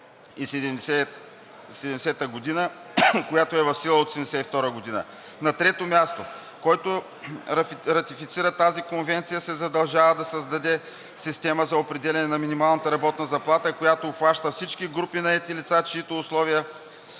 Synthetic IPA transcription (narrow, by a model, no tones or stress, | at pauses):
isɛd̪ɛmɛ | sɛd̪ɛmɛsɛt̪əɡod̪inə | kojat̪oɛvɐfsilˠəot̪osɛmd̪ɛsɛt̪ift̪ɔɾəɡod̪inə̰ | nɐt̪ɾɛt̪omʲjast̪o | kɔjt̪o | ɾɐfiɾɐt̪ifit̪siɾət̪azikonvɛnt̪sijəsɛzɐd̪ɐlˠʒavəd̪ɐsɐzd̪ɐd̪ɛ | sist̪ɛməzɐopɾɛd̪ɛlʲɛnɛnɐminimalˠnət̪əɾɐbɔt̪nəzɐplˠat̪əikojat̪oːxvaʃt̪əfsit͡ʃkiɡɾupinɐɛt̪ilit̪sat͡ʃiit̪oːslˠɔvijə